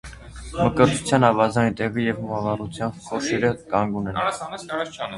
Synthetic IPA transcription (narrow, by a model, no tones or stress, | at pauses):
məkəɾt̪ʰu̥t͡sʰjɑnɑvɑzɑjnt̪ɛʁijɛvhumɑvɑrut͡sʰjɑmbkɔʃɛɾəkɑŋɡunɛn